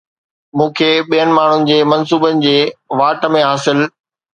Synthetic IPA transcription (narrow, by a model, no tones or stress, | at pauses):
mũːkʰeɓijənɪ̆maːɳ̤ʊnɪ̆d͡ʑeːmɐnsuːbənɪ̆d͡ʑeːʋaːʈəmẽɦaːsɪl